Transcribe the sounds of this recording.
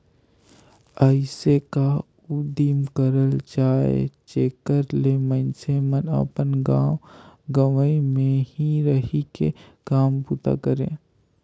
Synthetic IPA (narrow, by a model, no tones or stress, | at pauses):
əɪseka | ud̪iːmkəɾəld͡ʒaːḛt͡ʃeːkəɾlemə̃nsemənə̰pənɡãːwɡəʋəimẽhiɾəɦikḛkaːmpuːt̪a̰kəɾḛ̃ː